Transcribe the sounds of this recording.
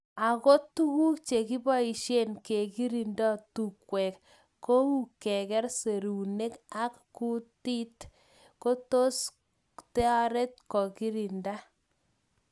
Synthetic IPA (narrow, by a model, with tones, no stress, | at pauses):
a˨ko˦tu˦ɣu˦k̚t͡ʃe˨ki˦bɔ˦i˨ʃe˦nke˨ki˦ɾi˨ndɔ˦tu˨kwɛ˨k | ko˦ŋu˨kɛ˨kɛ˦ɾse˨ɾu˨ne˦ka˦kːu˦ti˦t | ko˦to˦s | tɛ˦a˦ɾe˦t̚kɔ˨ki˦ɾi˨nda˦